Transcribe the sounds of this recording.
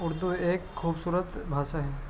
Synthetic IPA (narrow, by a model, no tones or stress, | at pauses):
ʊɽd̪ueːkʰːuːbsuːɾət̪bʱaːsaɦɛ